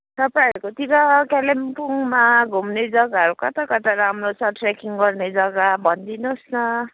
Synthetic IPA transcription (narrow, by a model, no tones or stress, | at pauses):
t̪ʌpaĩʌɾukot̪iɾʌkalempuŋmaɡʱumned͡zʌɡaʌɾukʌt̪akʌt̪aɾamrosʌʈʰrekiŋɡʌrned͡zʌɡabʱʌnd̪inosnʌ